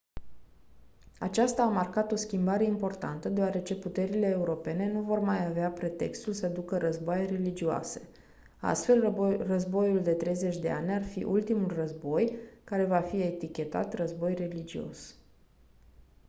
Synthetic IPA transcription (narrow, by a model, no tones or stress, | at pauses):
at͡ʃast̪aːmarkat̪o̞skʲimbaɾe̞impo̞rt̪a̰nt̪əd̪eaɾe̞t͡ʃe̞put̪e̞ɾile̞ːuɾo̞pe̞ne̞nuvo̞rmajaveapɾe̞t̪e̞̰kst̪ulsəd̪ukəɾəzboajre̞lid͡ʒioa̰se̞̥ | a̰st̪fe̞lrəzbo̞juld̪e̞t̪ɾe̞jze̞t͡ʃʲd̪e̞a̰nʲarfḭʔult̪imulrəzbo̞jkaɾe̞vafie̞t̪ikʲe̞t̪a̰t̪rəzbo̞jre̞lid͡ʒio̞̰s